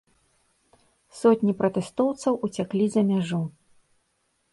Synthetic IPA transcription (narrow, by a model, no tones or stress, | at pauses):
sɔt̪ʲnʲipɾɐt̪ɛst̪ɔwt̪sɐwut͡sʲaklʲizɐmʲaʐu